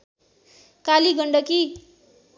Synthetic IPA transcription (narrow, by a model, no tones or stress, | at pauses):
kaliɡʱʌɳɖʌki